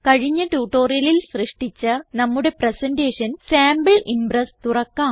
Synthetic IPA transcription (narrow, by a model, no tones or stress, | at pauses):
kɐɻiɲːɐʈuːʈːo̞ːrijɐlilsrɨʂʈit͡ɕːɨnɐmːuɽe̞prɐsɐnɖeːʂɐnsaːmbɐɭʔimbrɐst̪urɐkːaːm